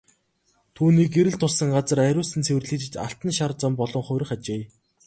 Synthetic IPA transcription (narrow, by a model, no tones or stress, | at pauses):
t̪ʰuːniːkeɾɘ̆ɮt̪ʰʊsə̆ŋɢat͡sə̆ræɾʲʊːsɘ̆nt͡sʰewɘrɮiːt͡ɕɘ̆t͡ɕa̰ɬt̪ə̆nʃart͡sɔmpɔɮɞ̆ŋχʊjɾɘ̆χat͡ɕeː